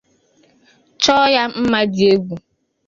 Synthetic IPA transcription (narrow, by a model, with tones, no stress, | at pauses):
t͡ʃɔː˦ja˦m̩˦ma˦dɪ˨e˦ɡu˨